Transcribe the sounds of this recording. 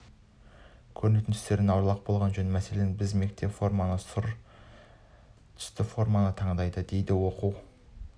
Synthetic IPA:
kʲʰɵɾne̞t̪ɪnʰʏ̥st̪e̞ɾɪnɑwɾlˠɑq̚bo̞lˠʁɑnʒɵnmæse̞lenbɪzme̞k̚t̪e̞pfo̞rmɑnəsʊɾ | t̪ʰʏ̥st̪ɪfo̞ɾmanət̪ʰɑɴd̪ɑjd̪əd̪e̞jd̪ɪwo̞quw

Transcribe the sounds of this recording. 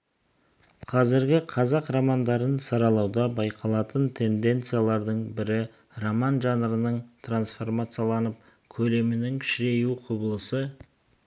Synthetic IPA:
qʰɑzɪɾɡʲɪqʰɑzɑqromand̪ɑɾənsɑɾɑlˠɑwd̪ɑbɑjqʰɑlˠɑt̪ənt̪ʰe̞nd̪e̞nt̪sɨjalˠɑɾd̪əɴbɪɾɪ | romɑnʒɑnəɾənəɴt̪ʰransfo̞rmat̪sɨjalˠɑnəp̚ | kʲʰɵle̞mɪnɪŋʰʃɪɾe̞juqʰʊbəlˠəsə

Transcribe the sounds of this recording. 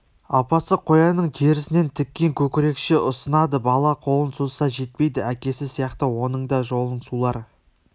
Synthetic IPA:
ɑpɑsəqʰo̞jɑnəɴt̪ʰeɾɪsɪne̞nt̪ʰɪkʲːeŋkʲʰɵkʲɪɾe̞kʃeʔʊsənɑd̪əbɑlˠɑqʰo̞lˠənsozsɑʒe̞t̪̚pe̞jd̪ɪækʲe̞sɪsijɑqt̪əwo̞nəɴd̪ɑʒo̞lˠəɴsulˠɑɾə

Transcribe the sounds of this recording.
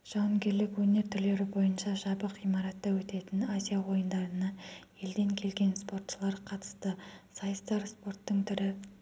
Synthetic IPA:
ʒ̥ɑwŋɡʲe̞ɾlɪkwɵne̞ɾt̪ʰʏɾle̞ɾɪbo̞jənʃɑʒɑbəqijmɑɾɑt̪ːɑwɵt̪e̞t̪ɪnazʲijawo̞jənd̪ɑɾənɑje̞ld̪e̞ŋkʲʰe̞lɡʲe̞nspo̞rt̪ʃəlˠɑɾqʰɑt̪ə̥st̪əsɑjst̪ɑɾspo̞rt̪ːəɴt̪ʰʏɾɪ

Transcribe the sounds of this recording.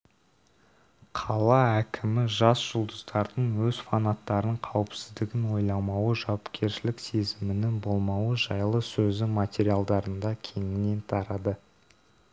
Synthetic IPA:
qʰɑlˠɑækʲʰɪmɪʒɑsʒ̥ʊlˠd̪əzd̪ɑɾd̪əɴwɵz̥fanat̪ːɑɾəɴqʰɑwɪpsɪzd̪ɪɡʲɪnwo̞jlˠɑmɑwəʒɑwɑpkʲʰe̞ɾʃɪlɪkse̞zɪmɪnɪnbo̞lˠmɑwəʒɑjlˠəsɵzɪmat̪ʲeɾijalˠd̪ɑɾənd̪ɑkʲʰe̞ŋɪne̞nt̪ʰɑɾɑd̪ə

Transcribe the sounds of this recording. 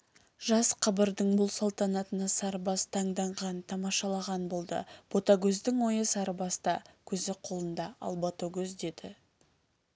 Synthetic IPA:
ʒɑsqʰəbəɾd̪əɴbʊlˠsɑlˠt̪ɑnɑt̪ənɑsɑɾbɑst̪ʰɑɴd̪ɑɴʁɑnt̪ʰɑmɑʃɑlˠɑʁɑnbo̞lˠd̪ə̰b̥o̞t̪ɑɡʲɵzd̪ɪŋwo̞jəsɑɾəbɑst̪ɑkʲʰɵzɪqʰo̞lˠənd̪ɑɑ̰lˠbot̪oɡʲɵzd̪e̞d̪ɪ

